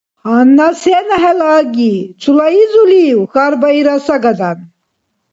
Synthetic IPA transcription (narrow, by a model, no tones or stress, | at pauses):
hanːasenɐɦɛlaːɡit͡sʰulaizuliwxaɾbɐiɾasɐɡɐd̪an